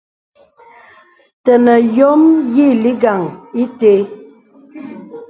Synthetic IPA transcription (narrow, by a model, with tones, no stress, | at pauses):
tə˨nə˨jɔ˦mji˦˨li˦ɡa˨ŋi˦te˦